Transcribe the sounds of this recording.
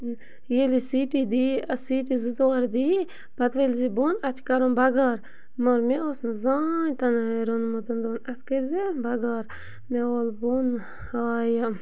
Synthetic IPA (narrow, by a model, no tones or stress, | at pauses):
jelisiːʈid̪iɐsiːʈizɨzoːɾd̪i | b̥ɐt̪ʋelzibonɐt͡ʃʰkɐɾonbɐɡaːɾ | moɾmeosnzaːnt̪ɐnaɾonmot̪ɐnd̪onɐt̪ʰkeɾzibɐɡaːɾ | meoːlbon | aːja